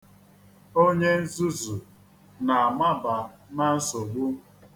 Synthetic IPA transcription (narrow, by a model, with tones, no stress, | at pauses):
o˦ɲe˦n̩˦zu˦zu˨ | na˨a˨ma˦ba˨na˦n̩˦so˨ɡ͡bu˦